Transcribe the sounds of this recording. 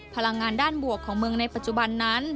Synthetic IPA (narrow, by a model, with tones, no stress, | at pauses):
pʰa˧la˧ŋːaː˧ndaː˥˩nbu˨˩əkʰːɔː˩˦ŋmɯ˧əŋna˧jpa˨˩t̪̚t͡ɕu˧˩ba˧nːa˦˥˩n